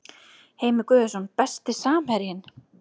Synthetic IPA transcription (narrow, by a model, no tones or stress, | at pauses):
heːjmɪkʏːðɛsɔnpɛst̪ɪsaːmhɛɾjɪn